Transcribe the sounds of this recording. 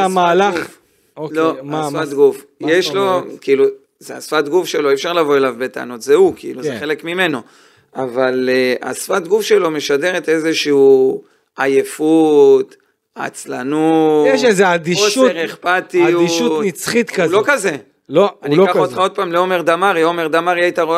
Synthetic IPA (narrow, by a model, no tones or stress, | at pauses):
amaːla | olosfattɡufjeʃlo̞kiilu | zeasfat̪ɡufʃe̞lo̞ifʃaʁlavo̞e̞lavbet̪a̰ːnot̪zeukiḭluzeχele̞kmime̞no̞ | avalea̰sfat̪ɡufʃe̞lo̞me̞ʃad̪e̞ʁet̪e̞zeʃiu | ajefut̪ | a̰t͡slanujeʃezead̪iʃuʁeχpat̪iuiʃunit͡sχit̪kaulokaze̞ | loannikaod̪χaod̪̚paːmleo̞me̞ʁd̪amaʁiome̞ʁd̪amaʁiajt̪aʁo